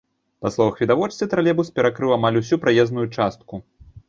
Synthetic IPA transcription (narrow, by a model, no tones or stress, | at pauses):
paslˠɔvɐxvʲid̪avɔt͡ʂt̪ɨt̪ɾalʲɛbuspʲɛɾakɾɨwamalʲus̬ʲupɾajɛznujut͡ʂast̪̚ku